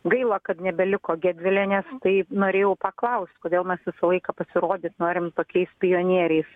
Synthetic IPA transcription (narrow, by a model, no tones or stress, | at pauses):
ɡɐɪlˠɐːkɐt̪nʲɛbʲɛlʲɪkoːɡʲæːd̪ʲʋʲɪlʲeːnʲɛst̪ɐɪnoːɾʲeːjɛʊpɐklˠɐʊsʲt̪ʲkoːdʲeːlˠmʲɛsʋʲɪsɐlˠɐɪkɐpɐsʲɪɾoːd̪ʲɪt̪noːɾʲɪmt̪oːkʲɛɪspʲɪjoːnʲiɛɾʲɛɪs